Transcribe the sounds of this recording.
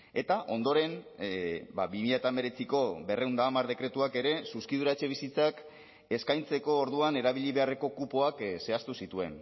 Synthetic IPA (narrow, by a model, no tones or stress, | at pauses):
e̞t̪aʔo̞nd̪o̞ɾe̞n | baβimiʎat̪ambe̞ɾe̞t͡siko̞be̞re̞wnd̪aːmaɾðe̞kɾe̞t̪uake̞ɾe̞suskiðuɾaet͡ʃe̞β̞isit͡sak | e̞skajnt͡se̞ko̞ːɾðuane̞ɾaβiʎiβe̞are̞ko̞kupo̞akse̞ast̪usit̪ue̞n